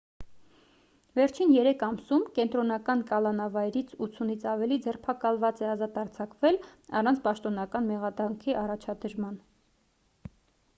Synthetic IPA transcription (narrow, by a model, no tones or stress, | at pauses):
vɛɾt͡ʃʰinjɛɾɛkʰɑmsumkɛnt̪ɾɔnɑkɑnkɑlɑnɑvɑjɾit͡sʰut͡sʰunit͡sʰɑvɛlid͡zɛrpʰɑkɑlvɑt͡sɛɑzɑt̪ɑɾt͡sʰɑkvɛlɑ̰rɑnt͡sʰpɑʃt̪ɔnɑkɑnmɛʁɑd̪ɑŋkʰiʔɑrɑt͡ʃʰɑd̪əɾmɑn